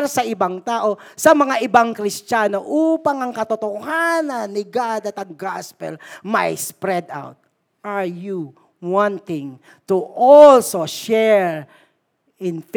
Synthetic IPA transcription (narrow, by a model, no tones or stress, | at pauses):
ɾsɐʔɪbaŋt̪aːʔosɐmɐŋaʔɪbaŋkɾɪst͡ʃanoʔupaŋɐŋkɐt̪ot̪ohanɐnːɪɡad̪ɐt̪ɐŋɡaspɛ̰lmajspɾɛd̪a̰wt̪̚ | ʔaɹju | wãnt̪ɪŋ | t̪uʔɔlsoʃɛɹ | ɪnf